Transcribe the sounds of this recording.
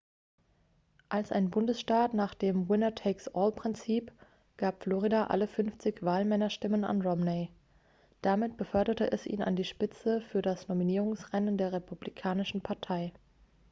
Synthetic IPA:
ʔalsʔa̰ɪnbʊndəsʃtaːtnaːχd̥eːmwɪnɐtʰɛɪksʔɔːlpʁ̥ɪnt͡siːp | ɡ̥aːpflɔʁ̞idaʔa̰ləfʏnft͡sɪçv̥aːlmɛnɐʃtɪməna̰nʁɔmne | d̥amɪt̚b̥əfœɐɾɐtəʔɛsḭːna̰ndiːʃpɪt͡səfyːɐdasnominiːʁ̞ʊŋsʁɛnəndeːɐʁepʰublikʰaːnɪʃn̩pʰaɐtʰaɪ

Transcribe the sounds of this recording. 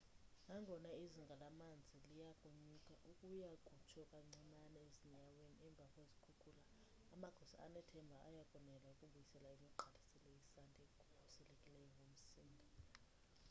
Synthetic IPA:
ŋʱaŋʱɔnaiziŋɡʱalamand͡zʱilijakʼuɲukʼaʔukʼujaɡ̥ʱut͡ʃʰɔkʼaŋ͡ǀiŋ͡ǀanɛeziɲaweniɛɱb̪vʱakʼwezikʰukula | amaɡ̥ʱɔsa̰a̰nɛtʰɛmbʱaʔːjakʼɔnɛlaukʼuɓujisɛlaemiǃʱalisɛlejisantʼɛɡ̥ʱu̥usɛlekʼilɛjɔŋɡʱom̩siːŋɡʱa

